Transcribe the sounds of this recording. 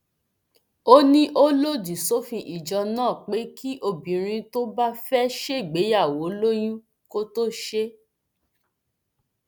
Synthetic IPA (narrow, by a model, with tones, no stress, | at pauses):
o˦nĩ˦ʔo˦lo˦di˨so˦fĩ˧ʔi˨d͡ʒɔ˧nãː˦˨k͡pe˨˦ki˦ʔo˦˨bĩ˨ɾ̃ĩ˧to˦ba˦fɛ˦ʃe˦i˨ɡ͡be˨˦ja˦˨wo˨˦lo˦jĩ˦ | ko˦to˦ʃe˦